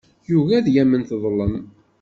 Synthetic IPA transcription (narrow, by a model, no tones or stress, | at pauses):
juvæðjæmənθðˤləm